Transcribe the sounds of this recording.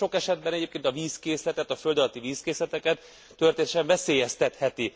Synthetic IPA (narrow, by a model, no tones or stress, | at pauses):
o̞kɛʃɛd̪̚bɛnɛɟeːpkeːnt̪ɒviːskeːslɛt̪ɛt̪ɒfø̞ld̪ɒlɒt̪iviːskeːslɛt̪ɛkɛt̪ː | ørt̪eːnʃɛɱvɛseːjɛst̪ɛt̪hɛt̪i